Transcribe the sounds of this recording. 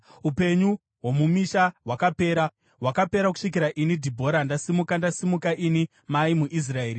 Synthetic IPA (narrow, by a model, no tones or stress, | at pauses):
upe̞ɲu | wo̞mumiʃaɦwakape̞ːɾa | ɦwakape̞ɾak̬u̥ʂikiɾaʔinidʱibʱo̞ɾandasimukandasimukaʔini | maimuʔis̬rae̞ːɾi